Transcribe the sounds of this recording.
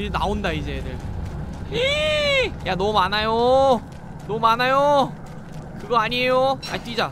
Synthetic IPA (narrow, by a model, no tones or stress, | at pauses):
ɾina̰ondaid͡ʑedɯɭ | e | janʌmanajo | nʌmanajo | kɯɡʌaɲiejoa̰it͈ɥid͡ʑa